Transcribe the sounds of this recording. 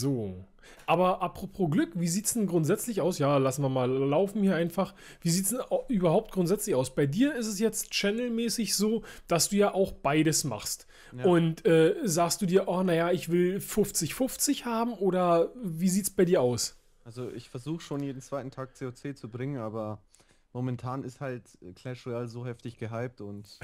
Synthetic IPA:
zoː | ʔaːbɐʔapʁ̥opʰoːɡlʏkviːziːtsd̥ɛnɡʁʊntz̥ɛt͡slɪçaʊsjaːlasn̩viɐmaːlːaʊfn̩hiːɐʔaɪnfaχ | v̥iːziːtsd̥ɛnaʔyːbɐhaʊp̚t̚ɡ̥ʁʊntz̥ɛt͡slɪçaʊsb̥aɪdiːɐɪstɛsjɛt͡stt͡ʃɛnl̩mɛːsɪçz̥oːd̥asd̥uːjaːʔaʊxb̥aɪɾəsma̰χst | ʔʊntʔɛːzaːkst̚d̥uːdiːɐʔɔːnajaɪçv̥ɪlfʊft͡sɪçfʊft͡sɪçhaːbm̩ʔoːɾɐviːziːtsb̥aɪdiːɐʔaʊs | alzoʔɪ̰çfɛɐzuːxəʃoːnjeːdn̩t͡sv̥aɪtn̩tʰaːk̚t͡seːot͡seːt͡subʁɪŋənʔaːbɐ | momɛntʰaːnɪsthaltkʰl̥ɛʃʁialzoːhɛftɪçɡ̥əɦaɪp̚tʊnt

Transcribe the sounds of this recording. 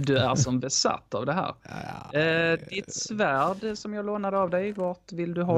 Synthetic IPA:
d̪ɵæɾʂɔmbɛsa̰t̪ːavd̪ɛɦæ̰ːɾ | d̪ɪt̪svæːɖsɔmjɑːɡloːnad̪əavd̪ɛjvɑːʈvɪld̪ɵɦɑ

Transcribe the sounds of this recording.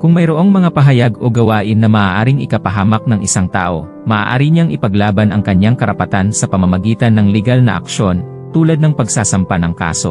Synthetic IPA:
kʊŋmɐjɾoʔo̞ŋmɐŋapɐɦɐjaɡʔo̞ɡɐwaːʔɪnːɐmɐʔaːʔaːɾɪŋɪkɐpɐɦaːmɐk̚nɐŋʔɪsaŋt̪a̰ːʔo̞̰ | mɐʔa̰ːʔa̰ːɾiɲaŋʔɪpɐɡlaːbɐnɐŋkɐɲːaŋkɐɾɐpɐt̪ansɐpɐmɐmɐɡiːt̪ɐnːɐŋlɛɡalnɐʔɐ̰kʃo̞n | t̪uːlɐd̪nɐŋpɐɡsaːsɐmpanɐŋka̰ːso̞̰

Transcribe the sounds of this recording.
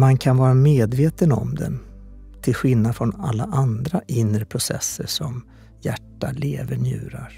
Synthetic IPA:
mankʰanvɑːɾameːd̪veːt̪ənɔ̰md̪ɛ̰n | t̪ʰɪlɧɪlnad̪fɾɔnalːaʔand̪ɾaʔɪnːɾəpʰɾʊsɛ̰sːəʂɔm | jæʈːaleːvənjʉ̟̰ːɾaɾ

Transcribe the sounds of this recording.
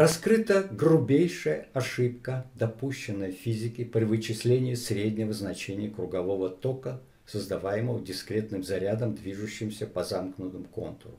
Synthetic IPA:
rɐskɾɨt̪əɡɾʊbʲejʂəjəɐʂɨp̚kəd̪ɐpuɕːɪnːəjəfʲizʲɪkʲɪpɾʲɪvɨt͡ɕːɪsʲlʲenʲɪjəsɾʲedʲnʲɪvəznɐt͡ɕenʲɪjəkɾʊɡɐvo̞vət̪o̞kə | səzd̪ɐvajɪməvədʲɪskɾʲe̞t̪nɨmzɐɾʲad̪əmd̪vʲiʐʊɕːɪmsʲəpɐzamknʊt̪ɨmko̞̰nt̪rʊ̰

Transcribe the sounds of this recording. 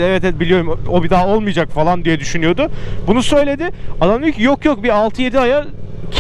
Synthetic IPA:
ɛvɛt̪ɛd̪̚bilʲijo̞ɾumobid̪aːo̞lˠmɯjd͡ʒakfalˠand̪ijɛd̪yʃynyjo̞d̪ʊbunusø̞jlʲe̞d̪ɪad̪amlˠycjokjok̚bialˠt̪ʰɯje̞d̪iajacʰ

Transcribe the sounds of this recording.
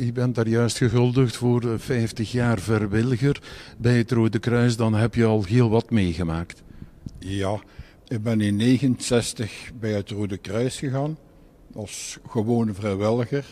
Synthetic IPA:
ybɛndaːrjœɥstχəɣɵlˠdəxtfoːrfɛjftəxjaːrvɛrʋɪləɣərbɛjətroːdəkrœɥs̬dɑnɦɛpjəɑlˠɦeːlˠʋɑtmeːɣəmaːkt | jaː | ɪɡ̚bɛnɪnːeːɣənsɛstəxbɛjɦətroːdəkrœɥsxəɣaːn | ɑsχəʋoːnvrɛjʋɪləɣər

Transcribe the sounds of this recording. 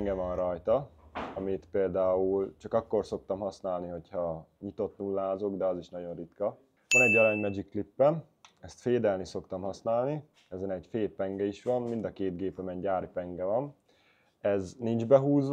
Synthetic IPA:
ŋɡɛvɒnrɒjt̪ɒɒmit̪peːld̪aːult͡ʃɒkɒkːo̞rso̞k̚t̪ɒmɦɒsnaːlniɦo̞chɒɲit̪o̞t̪nulːaːzo̞ɡd̪ɛɒziʃnɒɟo̞nrit̪kɒ | ʋɒnɛɟːɒɾaːɲmɛd͡ʒikːlipːɛn | ɛst̪feːd̪ɛlniso̞kt̪ɒmhɒsnaːlni | ɛzɛnɛɟfeːpɛŋɡɛiʃʋɒnmind̪ɒkeːt̪d̪ɡeːpɛmɛɲɟaːɾipɛŋɡɛvɒn | ɛznind͡ʒbɛɦuːzʋ

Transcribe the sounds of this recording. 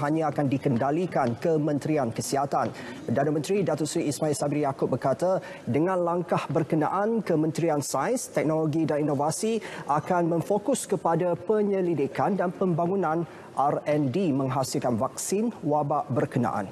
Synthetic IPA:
ɦaɲãakandikəndalikankəmə̃nt̪ɾiankəsiɦat̪anpərdanamə̃nt̪ɾidat̪ɔʔsɾiːsmailsabirjakʊp̚bərkat̪a | dəŋãnlaŋkahbərkəna̰ʔankəmə̃nt̪ɾiansaənst̪ɛk̚noloɡidaninovasiʔakanmə̃ŋfokʊskəpadapəɲə̃lidikandanpəmbaŋunãn | ʔarɛndimə̃ŋɦasilkanvak̚sinwabaʔbərkənã̰ʔa̰n

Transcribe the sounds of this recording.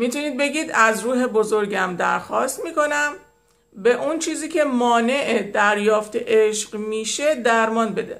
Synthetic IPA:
miːt̪ʰuniːd̪̚be̞ɡiːd̪æzɾuːɦe̞bozo̞ɾɡæmd̪æ̰ɾxɒːst̪miːko̞næm | be̞ʔunt͡ʃʰiːziːcʰe̞mɒːne̞ʔed̪æɾjɒːft̪ʰeʔeʃɢmiːʃe̞d̪æɾmɒːnbe̞d̪ḛ

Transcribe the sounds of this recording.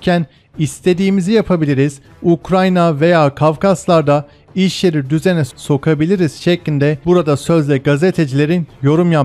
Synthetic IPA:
cʰæn | ist̪ʰe̞d̪iːmizijapʰabilʲiɾiz̥ | ukɾajnave̞jaːkʰavkʰaslˠaɾd̪a | iʃje̞ɾid̪yze̞nɛso̞kʰabilʲiɾiz̥ʃɛclʲind̪ɛbuɾad̪asø̞zlʲɛɡazet̪ʰe̞d͡ʒilʲe̞ɾinjo̞ɾumja

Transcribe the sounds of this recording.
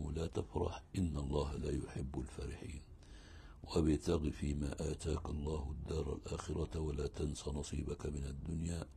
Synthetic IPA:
ʊlaːt̪afɾˤɑ̰ħʔɪnːalˤːɑːɦalaːjʊħɪbːalfaːɾɪħiːn | wʔabɪt̪ɑɣifiːmaːʔaːt̪aːkalˤːɑːhʊd̪ːɑːɾˤa̰lʔaːxɪɾɑwalaːt̪ansanɑsˤḭːbakamɪnad̪ːʊnjaː

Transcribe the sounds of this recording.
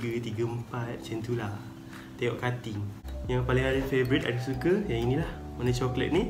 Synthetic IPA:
ɡət̪iɡəəmpat̪̚t͡ʃɛnt̪ula | t̪ajɔʔkat̪ɪŋjaŋpaliŋaɾəfevəɾit̪a̰dasukəjaŋinĩlahmənãt͡ʃɔklə̰t̪̚ni

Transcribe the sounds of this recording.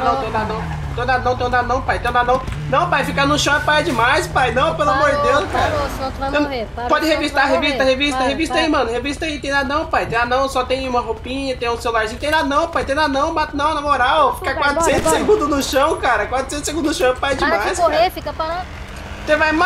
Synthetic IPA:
nɐ̃w̃t̪ẽj̃d̪anɐ̃w̃ | t̪ẽj̃d̪anɐ̃w̃t̪ẽj̃d̪anɐ̃w̃pajt̪ẽj̃d̪anɐ̃w̃ | nɐ̃w̃pajfikanʊʃɐ̃w̃ɛpajd͡ʒɪmajspajnɐ̃w̃pelʊamoɾd͡ʒɪd̪ewskaɾɐẽ | pɔd͡ʒɪhevist̪aɦevist̪ɐhevist̪ɐɦevist̪ɐĩmɐ̃nʊɦevist̪ɐĩt̪ẽj̃d̪anɐ̃w̃pajt̪ẽj̪̃anɐ̃w̃sɔt̪ẽj̃ũmɐɦopĩɲɐt̪ẽj̃ũselulaɾʒẽj̃t̪ẽj̃d̪anɐ̃w̃pajt̪ẽj̃d̪anɐ̃w̃mat̪ɐnɐ̃w̃nɐmoɾawfi̥kakwat̪ɾʊsẽt̪ʊseɡũnd̪ʊznʊʃɐ̃w̃kaɾɐkwat̪ɾʊ̥sẽt̪ʊseɡũnd̪ʊnʊʃɐ̃w̃ɛpajd͡ʒimajspafikɐpɾa | sevajma

